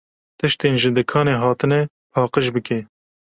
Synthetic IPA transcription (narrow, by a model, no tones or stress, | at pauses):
t̪ɨʃt̪eːnʒɨd̪ɨkʰɑːneːɦɑːt̪ɨnɛ | pʰɑːqəʃbɨke